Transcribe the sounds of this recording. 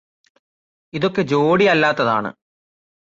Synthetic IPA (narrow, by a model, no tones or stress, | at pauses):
iðokːe̞d͡ʑoːɽiɐlːaːt̪ːɐða̰ːɳɨ̰